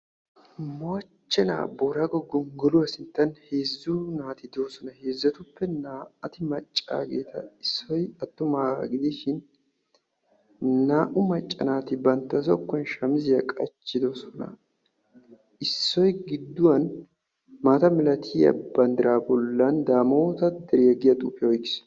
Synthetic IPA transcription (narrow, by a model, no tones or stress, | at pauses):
mot͡ʃːɛna̰ːboːɾaɡɔɡɔŋɡɔlʊwɐsɪnt̪ːɐnheːzːunaːt̪ɪd̪osɔnɐheːzːɐt̪ʊpːɛnaːɐt̪ɪmɐt͡ʃʼːa̰ːɡe̞ːt̪ʰɐɪsːɔjɐt̪ːʊmaːɡɪd̪ɪʃɪn | aːʔʊmɐt͡ʃʼːɐ̰naːt̪ɪbɐnt̪ːɐsɔkːɔnʃɐmzɪjɐkʼɐt͡ʃːɪd̪ɔsɔnɐ̰ | ɪsːɔjɡɪd̪ːʊwɐn | maːt̪ɐmɪlɐt̪ʰiɐ̰bɐnd̪ɪɾaːbɔlːɐnd̪aːmoːt̪ɐd̪ɛɾijɐɡɪjɐt̪ʼuːpːɪjɐɔjkːɪ̥s